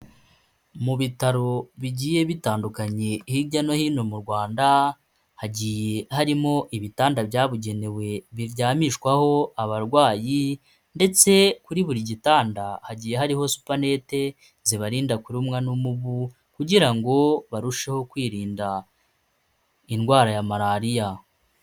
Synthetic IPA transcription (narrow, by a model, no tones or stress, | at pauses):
muβitaɾo̞βiɟiːje̞βitaːndukaɲe̞hiɟano̞hiːno̞muɾɡwaːnda | haɟiːje̞haɾimo̞ʔiβitaːndabjaːβuɟe̞ne̞we̞βiɾɟaːmiʃkwaho̞aβaɾɡwaːji | nde̞t͡se̞kuɾiβuɾiɟitaːndahaɟiːjeɦaɾiho̞su̥pane̞ːte̞ | ziβaɾiːndakuɾumŋanumuβu | kuɟiɾaŋɡo̞βaɾuʃe̞ho̞kwiːɾiːnda | inɡwaːɾajamaɾaːɾija